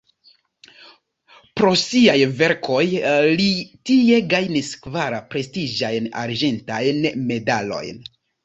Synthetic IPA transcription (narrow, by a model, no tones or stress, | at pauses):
pɾo̞siajve̞ɾkʰo̞jlitie̞ɡajniskvaɾapɾe̞stid͡ʒajna̰ɾd͡ʒe̞ntajnme̞dalo̞̰jn